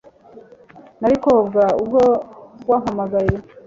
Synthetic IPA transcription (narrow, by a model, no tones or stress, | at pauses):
naɾikobɡaubɡowaːmamaɡaje